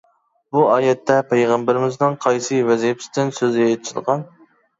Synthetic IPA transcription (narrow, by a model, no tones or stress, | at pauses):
buɑːjɛt̪ʰːɛpʰejʁɑmbɪɾɪmɪznɨŋqʰɑjsɨvɛzipʰɪ̥st̪ɪnsøzet̪ʰt͡ʃʰɪd̪ʁɑn